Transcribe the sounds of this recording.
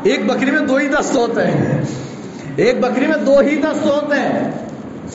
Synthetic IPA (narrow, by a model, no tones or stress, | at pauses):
eːk̚bɐkɾimẽd̪oːɦid̪ɐst̪oɦoːt̪eɦɛ̰̃ | eːk̚bɐkɾimẽd̪oːɦid̪ɐst̪oɦoːt̪eɦɛ̃ː | s